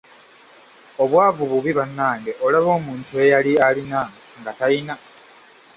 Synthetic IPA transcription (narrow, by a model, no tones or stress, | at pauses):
o̞βwaːvuβuβiβanːaːŋɡe̞ʔo̞laβo̞ːmuːntue̞jalialina | ŋɡataina